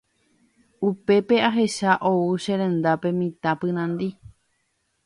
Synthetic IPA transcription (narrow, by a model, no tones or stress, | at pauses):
upe̞pe̞aɦe̞ʃaʔouʃẽɾẽ̞nd̪ape̞mĩt̪ãpɨ̃ɾ̃ãnd̪i